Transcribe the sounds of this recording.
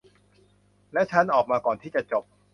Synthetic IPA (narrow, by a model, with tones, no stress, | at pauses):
lɛ˦˥t͡ɕʰa˦˥nʔɔː˨˩k̚maː˧kɔː˨˩nt̪ʰiː˥˩t͡ɕa˨˩t͡ɕo˨˩p̚